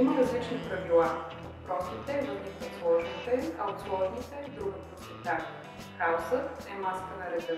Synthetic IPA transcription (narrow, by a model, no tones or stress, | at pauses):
iməɾɐzlit͡ʃnipɾɐvilˠavɐpɾɔsnit̪ɛvɐzlit͡ʃnoslˠɔʒnit̪ɛɐ̰ot̪slˠɔʒnit̪ɛd̪ɾuɡuposɛt̪aʒ | xaosət̪ɛmaskənɐɾɛzɛ